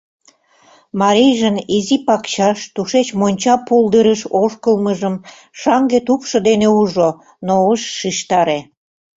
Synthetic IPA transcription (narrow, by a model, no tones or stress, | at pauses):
mɑɾejʒənizipɑkt͡ɕɑʃt̪uʃet͡ɕmonʲt͡ɕɑpuld̪əɾəʃoʃkəlməʒəm | ʃɑŋɡet̪upʃɤ̆d̪eneuʒo | noəʃːiʃt̪ɑɾe